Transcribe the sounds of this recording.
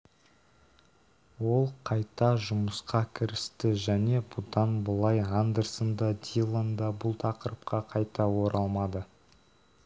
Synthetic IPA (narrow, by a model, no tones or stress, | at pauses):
wo̞lˠqʰɑjt̪ɑʒʊməsqɑkʲʰɪɾɪst̪ɪʒæne̞bʊd̪ɑnbəlˠɑjʁand̪əɾsənd̪ɑd̪ʲilˠənd̪ɑbʊlˠt̪ʰɑqəɾəp̚qɑqʰɑjt̪ɑwo̞ɾʔɑlˠmɑd̪ə